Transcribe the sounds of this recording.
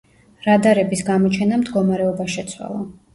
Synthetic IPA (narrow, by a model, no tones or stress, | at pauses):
ɾad̪aɾɛbisɡamɔt͡ʃʰɛnamd̪ɡɔmaɾɛɔbaʃɛt̪sʰwa̰lˠa